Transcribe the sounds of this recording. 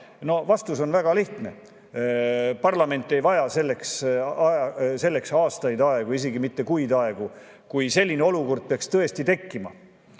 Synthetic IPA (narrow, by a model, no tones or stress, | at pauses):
no̞vɑst̪uso̞nvæɡ̥ɑliht̪ne̞̰ | pɑrlɑme̞nt̪ˑːe̞jvɑjɑse̞lːeksɑse̞lːe̞ksɑːst̪ɑjd̪ɑeɡ̥uis̬e̞ɡimit̪ːe̞kujd̪ɑe̞ɡ̥u | kujse̞lʲːineo̞luko̞rd̪̥̚peɑkst̪ɤ̞e̞st̪it̪e̞kːimɑ̰